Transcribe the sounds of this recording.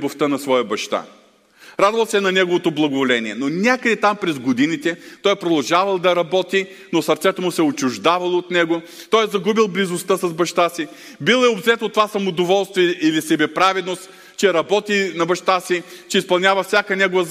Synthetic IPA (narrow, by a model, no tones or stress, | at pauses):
boft̪ənɐsvɔjəbɐʃt̪a̰ | ɾad̪vɐlˠsɛnɐnɛɡovot̪oblˠɐɡovolɛniɛnonʲakəd̪ɛt̪ampɾɛzɡod̪init̪ɛt̪ɔjɛpɾod̪ɐlˠʒavɐlˠd̪ɐɾɐbɔt̪i | nosɐɾt̪sɛt̪omʊsɛot͡ʃʊʒd̪avɐlˠoot̪nɛɡoʊ | t̪ɔjɛzɐɡubilˠblizost̪əsɐzbɐʃt̪asi | bilˠɛobzɛt̪ot̪ːovasɐmod̪ovɔlˠst̪viɛʔilisɛbɛpɾavɛd̪nost̪ | t͡ʃɛɾɐbɔt̪inɐbɐʃt̪asit͡ʃɛispɐlˠnʲavɐfsʲjakənɛɡovɐ